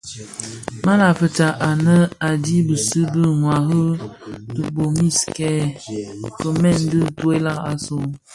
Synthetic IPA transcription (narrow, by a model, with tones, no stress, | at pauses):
ma˦la˨fə˨t͡ʃa˨ʔa˨nə˦a˨di˦bə˨sɨ˦bə˦ŋwa˨ɦə˦dɨ˦bo˨mi˦skɛ˦ | kə˨mɛ˦˨n˦dɨ˦˨tu˦e˦la˦ka̰˨so˦